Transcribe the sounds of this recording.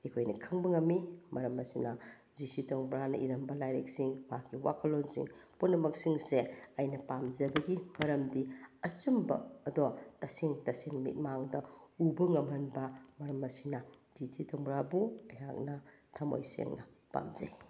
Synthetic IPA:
ekʰojnɐkʰɐŋbɐŋɐmːimɐɾɐmɐsinɐ | zisitoŋbɾanɐʔiɾɐmbɐlajɾek̚siŋmakiwa̰kʰɐlonsḭŋpunːɐmɐk̚siŋseɐjnɐpamzɐbɐɡimɐɾɐmdiɐsumbɐ̰ːdotɐseŋtɐseŋmḭt̚maŋdɐubɐŋɐmɦɐnbɐmɐɾɐmɐsinɐd͡ʒisʰitoŋbɾabuɐjak̚nɐtʰɐmo̰jsḛŋnɐ | pa̰mzɐ̰j

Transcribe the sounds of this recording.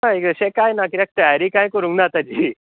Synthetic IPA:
naekəɕẽkajnakiɾɛk̚ʈajaɾikãj̃kəɾũŋk̚nat̪ad͡ʑiː

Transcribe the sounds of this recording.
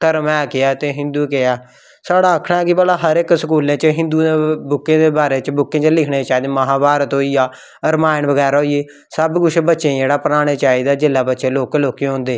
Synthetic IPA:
t̪əɾmɛːkɪaːt̪eːɦɪ̃nd̪uːkɪaː | saːɽaːəkʰɽaːɛkɪbəlaːɦəɾɪksəkuːlẽːt͡ʃəɦɪ̃nd̪uːebʊkːẽːd̪eːbaːɾeːt͡ʃbʊkːẽːt͡ʃəlɪkʰɽeːt͡ʃaːid̪eːməɦãːbaːɾət̪ɦoːiːaː | əɾmaːɪnʋəɡɛːɾaːɦoːieː | səbɡʊt͡ʃʰbətːʃẽːd͡ʒeːɽaːpəɾaːɽ̃eːt͡ʃaːiːd̪aːd͡ʒɪlːaːbətːʃẽːloːkloːkẽõnd̪eː

